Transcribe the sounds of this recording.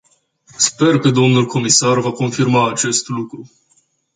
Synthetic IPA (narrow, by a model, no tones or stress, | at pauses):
spe̞rkəd̪o̞mnulko̞misarvako̞nfirmaːt͡ʃe̞st̪lukɾu